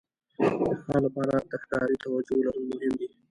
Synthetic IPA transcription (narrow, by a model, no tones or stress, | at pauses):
d̪əxɑːlapɑɾad̪axk̪ɑɾit̪awad͡ʒolaɾumʊɦɪmd̪i